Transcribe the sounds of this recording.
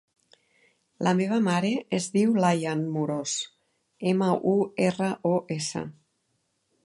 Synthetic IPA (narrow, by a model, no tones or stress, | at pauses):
lʔəmeβ̞əmaɾeʔezðiwlajanmuɾos | eməʔuerəʔoʔesə̰